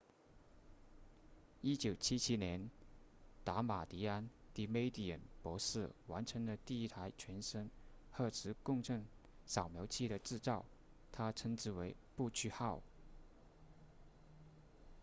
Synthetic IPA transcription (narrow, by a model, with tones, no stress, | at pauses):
i˥t͡ɕjo˨˩ʊt͡ɕʰi˥t͡ɕʰi˥njɛ˧˥n | t̪a˧˥ma˨˩t̪i˧˥a˥nt̪i˧˥me˥ɪt̪i˨˩ə̰˨˩npwɔ˧˥ʂɹ̩˥˩wa˧˥nʈ͡ʂʰɤ˧˥ŋd̪ə˧t̪i˥˧i˥t̪ʰa˧˥ɪt͡ɕʰɥɛ˧˥nʂə˥nxɤ˥˩t͡sʰɻ̩˧˥kʊ˥˧ŋʈ͡ʂʰɤ˥˩ŋ | sɑ˨˩ʊmjo˧˥ʊt͡ɕʰi˥˩ɾə˩ʈ͡ʂɻ̩˥˧t͡sɑ˥˩ʊ | t̪ʰa˥ʈ͡ʂʰə˧˥ŋʈ͡ʂɻ̩˧˥we˧˥ɪpu˥˧t͡ɕʰy˥˧xɑ˥˩ʊ